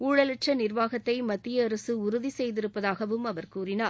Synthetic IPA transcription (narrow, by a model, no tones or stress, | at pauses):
uːɻɐlɪʈrɐnɪrʋaːɣɐt̪ːɐɪmɐt̪ːɪjɐːɾɐsɯʊɾʊðisɛjðɪɾɯpːɐðaːɣɐʋɯmɐʋɐɾkuːrɪnaː